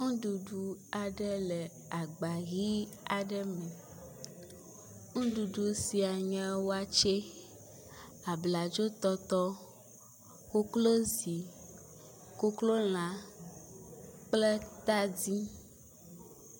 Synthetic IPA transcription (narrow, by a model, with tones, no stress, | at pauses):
ŋũ˦ɖu˨ɖu˨a˨ɖɛ˦lɛ˨ | a˨ɡ͡ba˨ɣi˦ | a˨ɖɛ˦mɛ̃˨ | ŋũ˦ɖu˨ɖu˨si˨a˨ɲɛ̃˦wo˦a˦t͡ʃe˦ | a˨bla˨d͡ʒo˦t̪ɔ˦t̪ɔ˦ | ko˦klo˦zi˨ | ko˦klo˦l̃ã˨ | k͡ple˦t̪a˦di˦